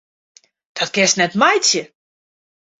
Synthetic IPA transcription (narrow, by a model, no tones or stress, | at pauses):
d̥ɔtkɪstnɛtmajtjə